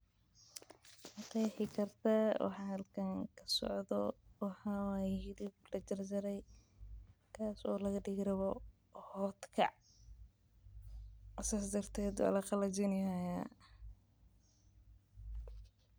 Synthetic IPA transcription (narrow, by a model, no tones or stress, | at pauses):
ɑqɛjħɪkʰɐrt̪ʰawʔɑ̰ħɑːhɐlkʰɐŋkʰɐsɔ̰ʕðɔwɑħɑwahɪdɪblɐt͡ʃɐrd͡ʒɐɾɛj | kʰaːsɔːlɐɣɐɖɪɣɾɐβɔ | hɔːt̪kʰɐ̰ʕ | saːsd̪ɐrt̪ʰɛːd̪wa̰ːlɐqɑlɐt͡ʃɪnɪhaja